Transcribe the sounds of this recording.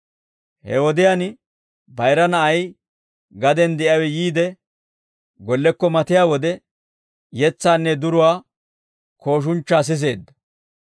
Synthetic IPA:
hɛ̰wɔd̪ɪjaːn | bɐjɾɐnɐʔɐj | ɡɐd̪ɛnd̪ɛʔɐwɛjiːd̪ɛ | ɡɔlːɛkːɔmɐt̪ɪjaːwɔd̪ɛ | jɛt͡sːaːnːɛd̪ʊɾʊwaː | kʰo̞ːʃ̬ʊnt͡ʃːaːs̬ɪs̬e̞ːd̪ːɐ̥

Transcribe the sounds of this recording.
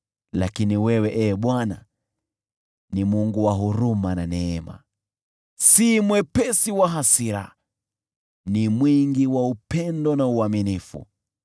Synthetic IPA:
lakiniwɛwɛʔɛːɓwana̰ | nimuŋɡuwaɦuɾumananɛɛma̰ | simwɛpɛsiwaɦasiɾa̰ | nimwiŋɡiwaupɛndɔnauaminifṵ

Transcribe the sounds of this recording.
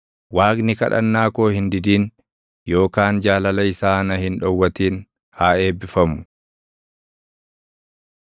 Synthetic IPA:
waːknɪkɐ̰ᶑɐ̰nːaːko̞ːhɪnd̪ɪd̪iːn | jo̞ːkaːnd͡ʒaːlɐlɐɪsaːnɐhɪnᶑɔwːɐt̪iːn | haːe̞ːbːɪfɐmʊ̥

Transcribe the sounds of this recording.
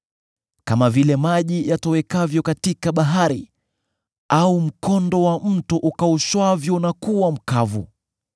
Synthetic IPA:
kamavilɛmaʄijatɔwɛkavjɔkatikaɓaɦaɾi | aum̩kɔndɔwam̩tuʔukauʃwavjɔnakuwam̩kavṵ

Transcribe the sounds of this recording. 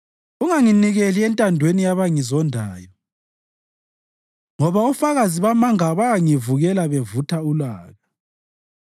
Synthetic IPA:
uŋaŋiniɣeliɛntʼandʱwenijaβaŋizɔndʱaːjɔ | ŋɔβaufaɣaziβamaŋaβaŋivuɣɛlaβevutʰaulaːɣa

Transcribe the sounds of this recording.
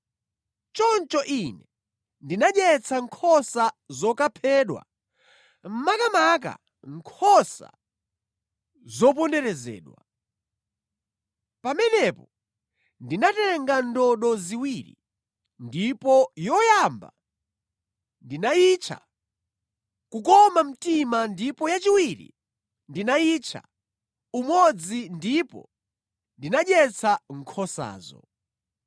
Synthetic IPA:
t͡ʃɔnt͡ʃɔʔinɛ | ndinaɗɛt͡sʰaŋkʰɔsazɔkapʰɛːɗwa̰ | m̩makamak̬a̰ | ŋkʰɔsa̰ | zɔp̬ɔndɛɾɛzɛ̰ːɗwa | pamɛnɛpɔ | ndinatɛɛŋɡandɔɗɔziwiɾḭ | ndipɔjɔjamba̰ | ndinait͡ʃʰa̰ | kukɔmam̩timandipɔjat͡ʃiwiɾḭ | ndinait͡ʃʰa̰ | umɔd͡zindipɔ̰ | ndinaɗjɛt͡sʰaŋ̩kʰɔsa̰ːzɔ̰

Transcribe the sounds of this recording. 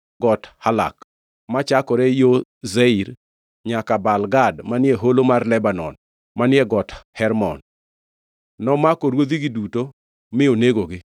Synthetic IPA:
ɡɔthala̰k | mat͡ʃakɔɾɛjozɛiɾ | ɲakabalɡadmanɪɛɦolomarlɛbanɔn | manɪɛɡɔthɛɾmɔ̰n | nɔmakoɾwod̪iɡɪduto | mɪoneɡoɡɪ

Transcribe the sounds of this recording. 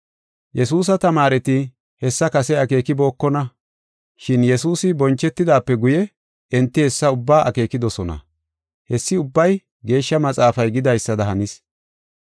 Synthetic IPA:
jɛsuːs̬ɐt̪ɐmaːɾɛt̪ɪ | hɛsːɐkɐsɛɐke̞ːkɪbo̞ːkːɔnɐ | ʃɪnjɛsuːsɪbɔnt͡ʃːɛt̪ːɪd̪aːpːɛɡʊjɛ | ɛnt̪ːɪhɛsːɐʊbːaːʔɐ̰ke̞ːkɪd̪ɔsɔnɐ̰ | hɛsːɪʊbːɐj | ɡe̞ːʃːɐmɐt͡sʼaːfɐjɡɪd̪ɐjsːɐd̪ɐɦɐnɪs

